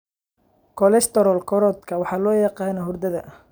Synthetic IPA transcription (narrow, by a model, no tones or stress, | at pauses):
kʰɔlɛst̪ɔɾɔlkʰɔɾɔd̪kʰɐwɑħɑːlɔːjɑqɑːnɔɦʊrd̪ɐðɐʔ